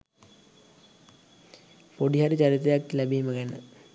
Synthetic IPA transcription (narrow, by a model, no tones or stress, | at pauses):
poɖiɦaɾit͡ɕaɾit̪ejakːlæbiːməkænə